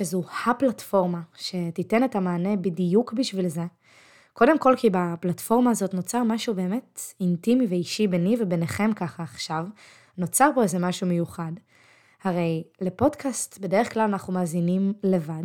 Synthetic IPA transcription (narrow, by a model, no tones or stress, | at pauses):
ezuhaplatfo̞ʁmaʃe̞tite̞ne̞tamaːne̞bidijukbiʃvilze̞ | ko̞de̞mko̞lkibaplatfo̞ʁmaːzo̞tno̞t͡saʁmaʃube̞ːme̞tintimiveiʃibenivebeneχe̞mkaχaːχʃav | no̞t͡saʁpo̞ezemaʃumejuχad | haʁe̞jle̞po̞dkʰastbe̞de̞ʁeχklalanaχnumaːzinimle̞vad